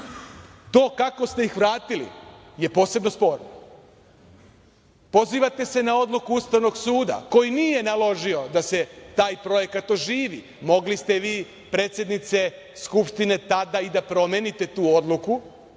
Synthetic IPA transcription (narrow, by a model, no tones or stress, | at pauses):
t̪o̞ːkako̞st̪eixʋɾaːt̪ilḭ | je̞po̞ːse̞bnospo̞ːɾno | po̞ziːʋat̪e̞se̞nao̞d̪lukuust̪aʋno̞ɡsuːd̪a̰ko̞jinije̞nalo̞ʒio̞d̪aset̪aːjpɾo̞je̞kat̪oʒiːʋi | mo̞ɡlist̪e̞ʋiː | pɾe̞ːt̪sʲje̞d̪nit̪se̞ | skupʃt̪ine̞t̪ad̪aid̪apɾo̞mje̞nit̪e̞t̪uːo̞d̪luku